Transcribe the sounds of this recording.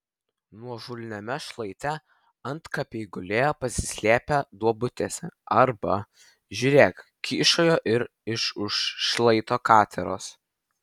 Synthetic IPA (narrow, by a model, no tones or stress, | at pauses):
nuɔʒʊlʲnʲɛmʲɛʃlˠɐɪt̪ʲɛ | ɐnt̪kɐpʲɛɪɡʊlʲeːpɐsʲɪ̥sʲlʲæːpʲɛd̪uɔbʊt̪ʲeːsʲɛɐɾbɐ | ʒʲuːɾʲeːk | kʲiːʃoːjoːʔɪɾ | ɪʃʊʃʃlˠɐɪt̪oːkɑːt̪ʲɛɾo̰ːs